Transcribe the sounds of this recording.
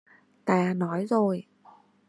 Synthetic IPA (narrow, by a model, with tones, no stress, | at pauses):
t̪aː˧˩nɔ˨˦jzo˨˩j